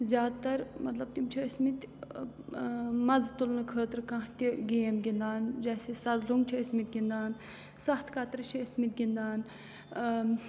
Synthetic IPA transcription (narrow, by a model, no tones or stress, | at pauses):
zʲjaːd̪t̪ɐɾmɐt̪lɐb̚t̪imt͡ʃʰiismit̪ | mɐzt̪ulnɨkʰəːt̪ɾkɐ̃ɦt̪iɡeːmɡʲind̪aːnd͡ʒɐːsesɐzluŋɡt͡ʃʰiəsmit̪̚ɡʲind̪aːn | sɐht̪ʰkɐt̪ɾt͡ʃʰiismit̪̚ɡʲind̪aːn